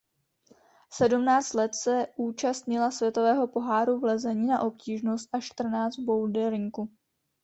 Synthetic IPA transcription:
sɛdumnaːt͡st̪lɛt̪sɛʔuːt͡ʃast̪ɲɪlasvʲjɛt̪o̞vɛːɦo̞po̞ɦaːɾuvlɛzɛɲiːnaʔo̞p̚ciːʒno̞st̪̚ʔaʃt̪r̩naːt͡st̪̚bo̞wdɛɾɲiku

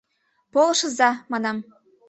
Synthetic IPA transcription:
polˠɤʃɤ̆zɑmɑnɑm

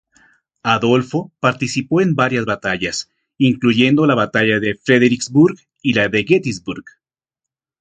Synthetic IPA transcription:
aðo̞lfo̞paɾt̪isipo̞e̞mbaɾjazβat̪aʝas | iŋkluʝe̞nd̪o̞laβat̪aʝaðe̞fɾeðeɾikzbuɾɣ | ilaðe̞ɣet̪izbuɾɣ

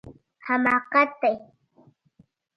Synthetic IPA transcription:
hamaːqɑt̪aj

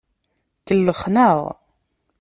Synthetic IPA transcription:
kəlːəχnəʁ

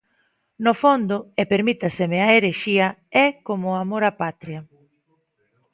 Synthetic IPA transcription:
nofond̪oepeɾmit̪asemeaeɾeʃiaɛkomoamoɾapat̪ɾja

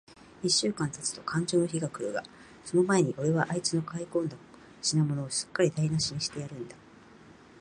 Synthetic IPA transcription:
iɕːɨːkãnt̪at͡sɨ̥t̪o̞kʰãɲ̟d͡ʑo̞ːno̞çiɡakɯɯɡa | so̞no̞mae̞ɲ̟iʔo̞ɾe̞βaʔait͡sɨno̞kaikõ̞nd̪a | ɕinamo̞no̞ːɕɨ̥kːaɾʲid̪ainaɕiɲ̟iɕi̥t̪e̞jaɾɯ̟̃nd̪a

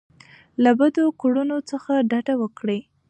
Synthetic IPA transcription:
labad̪okuɽunot͡səxaɖaɖawəkɽe

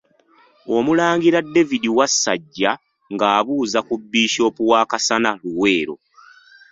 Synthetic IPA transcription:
o̞mulaːŋɡiɾadːe̞vidiwasːa̰ɟːa | ŋɡaːβuːzakubːiːʃo̞ːpuwaːkasanaluwe̞ːɾo̞̰

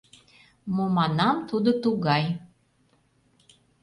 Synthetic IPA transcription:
momɑnɑmt̪ud̪ot̪uɣɑj

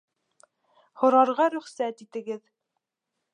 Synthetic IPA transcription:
hŏɾɑɾʁɑɾɵ̆χsæt̪it̪ɘ̆ɡɘð

